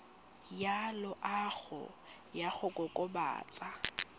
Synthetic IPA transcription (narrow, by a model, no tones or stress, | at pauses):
jalʊʔaɣʊ̰ | jaɣʊkʼɔkʼʊba̰ːt͡sʼa